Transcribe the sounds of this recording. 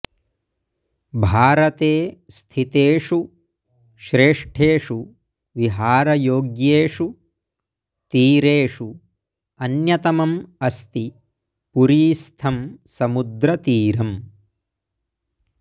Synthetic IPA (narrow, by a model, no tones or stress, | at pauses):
bʱaːɾɐt̪eːst̪ʰit̪eːʂu | ʃɾeːʂʈʰeːʂu | ʋiɦaːɾɐjoːɡjeːʂu | t̪iːɾeːʂu | ɐnjɐt̪ɐmɐmɐst̪i | puɾiːst̪ʰɐmsɐmud̪ɾɐt̪iːɾɐm